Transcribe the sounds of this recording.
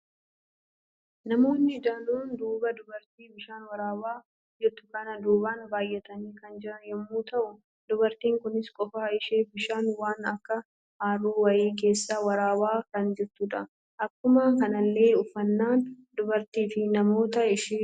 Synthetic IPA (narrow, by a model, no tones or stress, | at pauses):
nɐmo̞ːnːɪd͡ʒaluːnd̪uːbɐd̪ʊbɐɾt̪iːbɪʃaːnwɐɾaːwaː | d͡ʒɛt̪ːʊ̥kɐnɐd̪uːbaːnbaːjːɛt̪ɐniːkɐnd͡ʒɪɾɐnjɛmːuːt̪ɐʔʊ | d̪ʊbɐɾt̪iːŋkʊnɪskʼɔfaːɪʃeːbɪʃaːnwaːnɐkːɐ | haːroːwɐjiːk̬e̞ːsːawɐɾaːwaːkɐnd͡ʒɪɾt̪uːᶑɐ | ʔɐkːʊmaːŋkɐnɐlːe̞ːʊfːɐnːaːn | d̪ʊbɐɾt̪iːfɪnɐmo̞ːt̪ɐɪʃeː